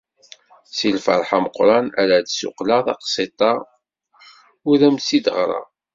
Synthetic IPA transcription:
silfə̰ɾˤħaməqɾˤɑnæɾæd̪sʊ̰qlɑðˤɑqsˤet̪ˤɑ | ʊðæmsid̪əʁɾˤɑ̰

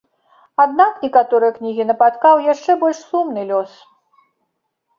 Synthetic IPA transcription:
ad̪̚naknʲɛkat̪ɔɾɨjɐknʲiɣʲinɐpat̪kawjaʂt͡ʂɛbɔlʲʂsumnɨlʲɔs

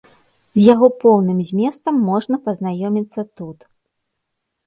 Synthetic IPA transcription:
zʲjaɣɔpɔwnɨmzʲmʲɛst̪ɐmːɔʐnɐpɐznajɔmʲit̪sːɐt̪ut̪

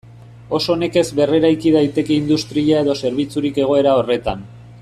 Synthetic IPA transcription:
o̞so̞ne̞ke̞zβe̞re̞ɾajkiðajt̪e̞keind̪ust̪ɾiʎae̞ðo̞se̞ɾβit͡suɾike̞ɣ̞o̞e̞ɾao̞re̞t̪an

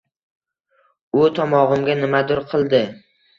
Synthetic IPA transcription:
ʊt̪ʰɒmɒʁɨmɡʲanɪmad̪ʊɾqʰɨlˠd̪ɪ

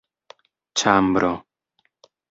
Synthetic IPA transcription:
t͡ʃʰaːmbɾʔo

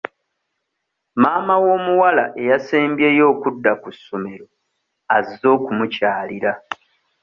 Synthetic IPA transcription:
maːmawo̞ːmuwalaʔe̞jaseːmbje̞ːjo̞ːkudːakusːome̞ɾo̞ | azo̞ːkumucaːliɾa

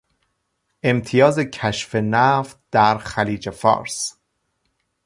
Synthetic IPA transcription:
ʔe̞mt̪ʰijɒːze̞cʰæʃfe̞næft̪̚d̪̥æɾxæliːd͡ʒefɒ̰ːɾs

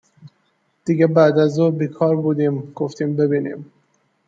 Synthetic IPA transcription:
d̪̥iɡebæd̪æzuːbiːkʰɒːɾbuːd̪iːmɡ̥oft̪ʰiːmbe̞biːnḭːm

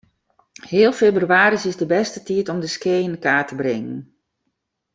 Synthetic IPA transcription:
hɪːəlˠfeːbryaːɾisɪsdəbɛstətiətɔmdəskeːənəkaːtəbrɪŋən

